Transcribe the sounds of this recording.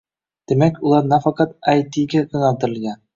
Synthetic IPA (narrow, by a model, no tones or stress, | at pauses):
d̪̥imækulˠɑɾnɑfɑqɑt̪̚æjt̪iɡæʔŏnɑt̪ɤ̆ɾɘ̆lˠɡæn